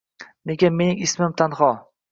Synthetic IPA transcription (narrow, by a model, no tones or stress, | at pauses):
neɡʲame̞nɪŋɪsmɪmt̪ʰanhɒ